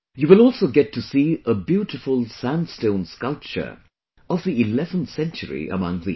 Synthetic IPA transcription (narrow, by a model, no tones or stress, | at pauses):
juwɪlˠɔlˠsoʊɡɛtʰːɨsiəbjuɾɨfəlˠsæ̃nstõʊ̃nskʌlˠp̚t͡ʃə̰˞ | ʔʌvðiɪlɛvə̃nθsɛ̃nt͡ʃəɹḭʔə̰mʌ̃ŋðḭ